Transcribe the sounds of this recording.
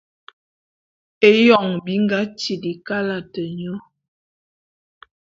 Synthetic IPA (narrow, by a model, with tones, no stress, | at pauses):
e˦jɔ˨ŋbi˨˦ŋ˦ɡa˦t͡ʃi˨di˨ka˦la˨tə˨ɲɔ˦